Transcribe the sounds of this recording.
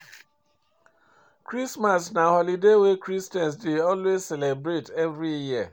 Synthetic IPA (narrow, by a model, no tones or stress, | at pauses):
kɾismasnahɔlidewekɾistɛ̃nsdeɔlwezsɛlebɾetɛvɾijia̰